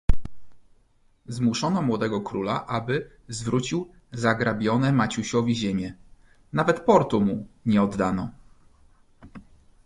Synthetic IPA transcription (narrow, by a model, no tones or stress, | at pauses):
zmuʂɔnɔmwɔd̪ɛɡɔkɾulaʔabɘ | zvɾut͡ɕiw | zaɡɾabʲjɔnɛmat͡ɕuɕɔvʲiʑemʲjɛ | navɛt̪pɔɾt̪umuɲɛɔd̪ːanɔ